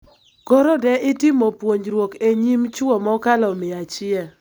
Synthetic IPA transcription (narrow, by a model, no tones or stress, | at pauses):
koɾɔdɛʔɪtɪmopwoɲɾwokeɲimt͡ʃʊɔmɔkalɔmɪat͡ʃɪɛ